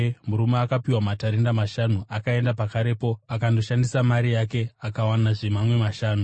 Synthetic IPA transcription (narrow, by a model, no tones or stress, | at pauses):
muɾumeakapiwamataɾendamaʃanuakae̞ndapakaɾe̞po̞akando̞ʃandisamaɾijake̞akawanaʐemamwe̞maʃaːnu